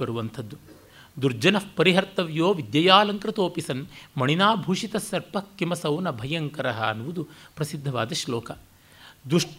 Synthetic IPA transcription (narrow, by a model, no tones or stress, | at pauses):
ɐɾuʋɐnt̪ʰɐd̪ːu | d̪uɾd͡ʒɐnɐpɐɾiɦɐɾt̪ɐʋjoːʋid̪jɐjaːlɐŋkɾɐt̪oːpisɐnmɐɳinaːbʱuːʂit̪ɐsːɐɾpɐkːimɐsɐwnɐbʱɐjɐŋkɐɾɐɦɐːnuʋud̪upɾɐsid̪ʱːɐʋa̰ːd̪ɐʃloːkɐ | d̪ɾuʂʈ